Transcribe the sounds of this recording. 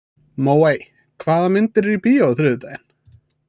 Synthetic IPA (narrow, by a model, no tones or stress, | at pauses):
moːwej | kʰvaːðamɪnt̪ɪɾɾipiowθɾʏːðʏt̪ajɪn